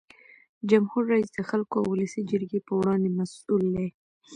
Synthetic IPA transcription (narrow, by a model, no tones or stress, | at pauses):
d͡ʒamhuɾːaisd̪əxalkoawʊləsid͡ʒəɾɡepəwɽɑnd̪emasuld̪e